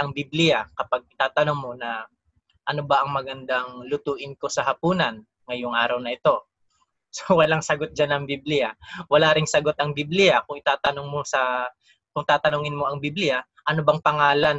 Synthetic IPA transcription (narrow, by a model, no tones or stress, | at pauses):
ʔɐŋbiblɪjakɐpaɡ̚ɪt̪aːt̪ɐnoŋmo̞nɐ | ʔɐnobɐʔɐŋmɐɡɐnd̪aŋlʊt̪uːʔɪnko̞sɐɦɐpuːnɐn | ŋɐjoŋʔaːɾɐwnɐɪt̪o̞ | sowɐlaŋsɐɡot̪̚d͡ʒanɐŋbiblɪjawɐlaɾɪŋsɐɡo̞t̪̚ɐŋbiblɪjakʊŋɪt̪aːt̪ɐnoŋmosɐ | kʊŋt̪aːt̪ɐnoŋɪnmo̞ɐŋbiblɪja | ʔɐnobɐŋpɐŋaːlan